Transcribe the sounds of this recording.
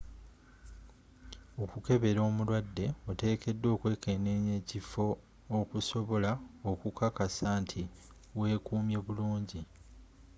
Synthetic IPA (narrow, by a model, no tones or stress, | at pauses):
o̞kuke̞βe̞ɾo̞ːmulwadːe̞ote̞ːke̞dːo̞ːkwe̞ːke̞ne̞ɲe̞ːcifo̞ː | kuso̞βo̞laokukakasaːntʰi | we̞ːkuːmje̞βuluːɲɟi